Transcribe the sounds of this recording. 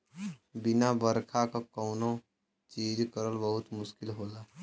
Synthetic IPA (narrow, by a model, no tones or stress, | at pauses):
bɪnabəɾkʰakakoːno | t͡ʃiːd͡ʒkəɾəlbəɦʊt̪mʊʃkɪlɦoːlaː